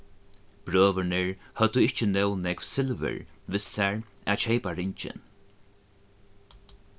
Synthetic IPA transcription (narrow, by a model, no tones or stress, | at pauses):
b̥ɾøːʋəɳɪɹhœt̪ʊɪht͡ʃənɛwnɛkʋsɪlʋɪ̰ɹʋɪsæɹat͡ʃeɪpaɹɪɲt͡ʃɪ̰n